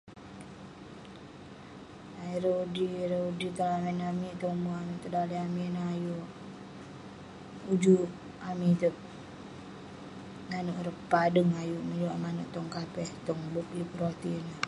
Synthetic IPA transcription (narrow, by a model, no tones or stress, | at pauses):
aiɾoudiɾeudit̪əlamɛnamit̪omuamit̪ədaliaminaaju | ud͡ʒu | amit̪ək̚ | ŋanuʔɾəppːadəŋajuməɲuamanuʔt̪ɔŋkapɛht̪ɔŋbuklipɾot̪ina